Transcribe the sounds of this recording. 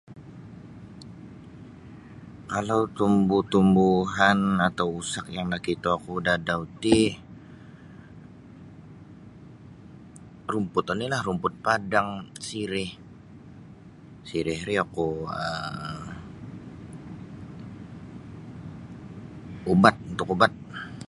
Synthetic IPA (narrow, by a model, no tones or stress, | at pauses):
kalawt̪umbuht̪umbuɦanat̪awusakjaŋlahkit̪uakudadaut̪i | rumpʊt̪anilahrumpʊt̪̚padaŋsiɾɪh | siɾɪhɾiakuə | ubat̪̚unt̪ʊkubat̪̚